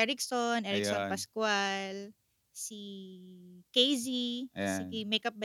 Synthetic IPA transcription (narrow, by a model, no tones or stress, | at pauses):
ɛɹɪksonʔɛɾɪksɔnpɐskwal | si | kejzisimejkɐp̚bɐ